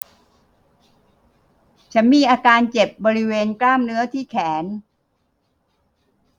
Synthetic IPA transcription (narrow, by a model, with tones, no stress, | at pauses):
t͡ɕʰa˩˦˥nmiː˧ʔaː˧kaː˧nt͡ɕe˨˩p̚bɔː˧ɾi˦˥weː˧nklaː˥˩mnɯ˦˥ɐt̪ʰiː˥˩kʰɛː˩˦n